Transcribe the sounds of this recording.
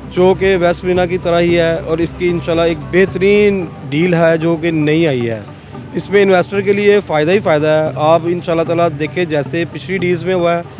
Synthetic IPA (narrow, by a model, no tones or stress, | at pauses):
d͡ʒoːkeʋɛːspɾiːnak̬it̪ɐɾəɦiɦɛːɔːɾɪskiɪnʃaːlːaeːk̚bɛɦt̪əɾiːnɖiːlɦɛd͡ʒoːk̬enɐɦĩaːiɦɛ̰ː | ɪsmẽɪnʋeːsʈəɾk̬eliefaːjɪd̪aɦifaːɪd̪aɦɛʔaːpɪnʃaːlːat̪aːlad̪eːkʰẽd͡ʒɛːsepɪt͡ʃʰliɖiːlzmẽɦoaɦɛː